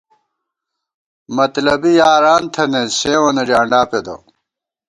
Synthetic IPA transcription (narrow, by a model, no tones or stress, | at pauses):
mɐt̪lɐbijaːɾaːnt̪ʰɐnesẽːwɐneɾaːɳɖaːped̪ɐ̰